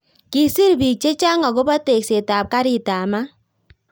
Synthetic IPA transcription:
ki˨sɪ˦ɾbi˨t͡ʃe˦t͡ʃa˦ŋɔ˨ɡo˦ba˦te˨kse˨ta˨p̚ka˦ɾɪ˨ta˨ma˦

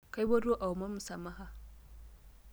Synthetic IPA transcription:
ka˦jbɐ˦ɾo˦ʔa˨u˨ma˦mu˨sa˨mːa˦ɦa˦

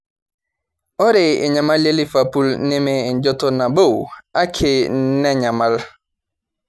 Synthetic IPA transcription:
ɔ˦ɾe˨ɪ̰˨ɲa˨ma˦le˦li˦fa˨pu˦lne˦me˦˨n̩˦d͡ʒɔ˦to˦na˨bo˦˨wa˦kʰe˨˦nɛ˦ɲa˨ma˦l

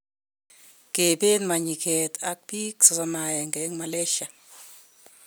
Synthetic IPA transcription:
ke˨pe˦nma˨ɲi˨kʰe˨t̪ʰa˦k̚pi˦ksɔ˨sɔ˦ma˨jɛ˨ŋɡɛ˨˦ŋma˨lɛ˦ʃa˨

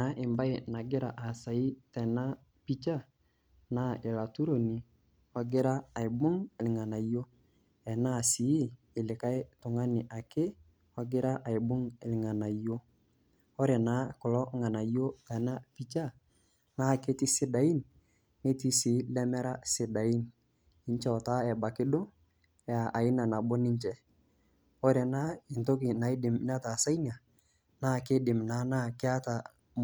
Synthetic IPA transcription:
na˦ʔɪ˨mba˦i˨na˨ɡɪ˦ɾa˨ʔa˨sa˨i˦tɛ˨na˦ | pi˦t͡ʃa˦ | na˦ɪ˨la˨tu˦ɾo˨ni˨ | wa˨˦ɡɪ˦ɾaː˦˨ɪ˨bʊ˦ŋɪ˨lŋa˨na˨i˨˦jo˦ | ɛ˨na˦˨si˨˦ | ɪ˨lɪ˨ka˦jtʊ˨ŋa˦nɪ˨ʔa˨ke˦ | wa˦ɡɪ˦ɾa˦ʔa˨i˨bʊ˦ŋe˨lɪ˨ŋa˨na˨i˨˦jo˦ | ɔ˦ɾɛ˨na˨˦kʊ˨lɔ˦ŋa˨na˨i˦jo˦ta˨na˦pi˦t͡ʃa˦ | na˦˨ke˦ti˦sɪ˦da˨i˦nː | e˦ti˦si˨˦lɛ˦mɛ˦ɾa˦sɪ˨da˨i˦n | i˦ɲt͡ʃɛ˦ɔ˨ta˦ɛ˨ba˨kɪ˦do˦ | ja˨ʔa˨ɪ˦na˨na˨bo˦nɪ˦ɲt͡ʃɛ˦ | ɔ˦ɾɛ˨na˦i˨nto˦ki˨na˨i˦dɪ˨m˦na˦ta˨sa˦i˦na˨ | na˦˨ke˦dɪ˨mna˨˦na˦kɪ˦a˦ta˨

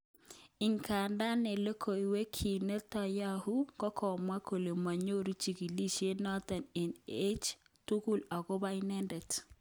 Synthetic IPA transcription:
i˨ŋkʰa˨nda˦ne˨le˦kʰo˨i˨we˦kʰi˨nɛ˦tɔ˨ja˦hu˦ŋɡɔ˦kʰɔ˨mwa˦kʰo˨le˨mwa˨ɲo˦ɾu˦t͡ʃi˨ki˨li˦ʃje˦nɔ˦ta˨nɛ˨ne˦t͡ʃ | tu˦ku˦la˨ɣɔ˦ba˦i˦nɛ˦ndɛ˨t

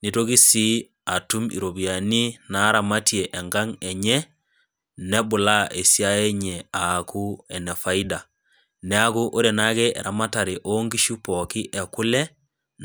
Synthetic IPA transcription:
ni˦to˦ki˦si˦ | a˨tu˦mḭɾo˨bi˨a˨ni˦na˦ɾa˨ma˦tjɛ˨ʔɛ˨ŋɡa˦ŋɛ˨ɲɛ˦ | nɛ˦bʊ˨la˦ʔe˨sja˦jɛ˦ɲɛ˨a˨ku˦ɛ˨nɛ˨fa˦i˦da˨ | nɛ˦a˦ku˦ʔo˦ɾe˨na˦kɛ˦ʔɛ̰˨ɾa˨ma˦ta˨ɾe˨ʔo˦ŋɡi˦ʃu˦pɔ˨ki˦ʔɛ˨kʊ˦lɛ˦

